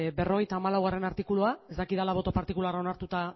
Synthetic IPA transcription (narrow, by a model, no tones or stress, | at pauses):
be̞ro̞ɣ̞ejt̪aːmalawɣ̞are̞naɾt̪ikuluae̞zd̪akiðalaβ̞o̞t̪o̞paɾt̪ikulaɾao̞naɾt̪ut̪a